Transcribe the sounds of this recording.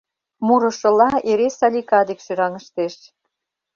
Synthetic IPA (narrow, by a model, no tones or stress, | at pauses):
muɾɤ̆ʃɤ̆lɑeɾesɑlʲikɑd̪ekʃyɾɑŋə̆ʃt̪eʃ